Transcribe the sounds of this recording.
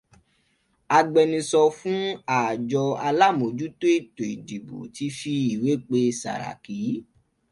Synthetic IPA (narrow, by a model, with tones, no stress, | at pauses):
a˧ɡ͡bɛ˧nĩ˧sɔ˧fũ˦a˦˨d͡ʒɔ˧a˧la˦˨mo˨d͡ʒu˦to˦˨to˨i˨di˨bo̰˨ti˧˦fi˦i˨we˨˦k͡pe˧sa̰˨ɾa̰˨ki˨˦